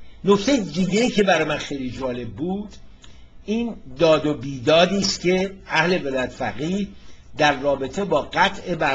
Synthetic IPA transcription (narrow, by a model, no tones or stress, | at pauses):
no̞ct̪ʰe̞jed̪iɟe̞iːcʰe̞bæɾɒːjemænxe̞jlid͡ʒɒːle̞b̚ːuːd̪̥ | iːnd̪ɒːd̪o̞biːd̪ɒːd̪iːst̪cʲʰe̞æhle̞velɒːjæt̪ʰefæɣiːhd̪æɾːɒːbe̞t̪ʰe̞bɒːɡæt̪ʰʔe̞bæ